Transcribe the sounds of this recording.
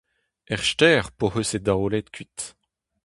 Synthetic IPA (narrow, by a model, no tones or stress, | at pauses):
ɛʁʃtɛːʁpohøsed̪aolɛt̪kɥit̪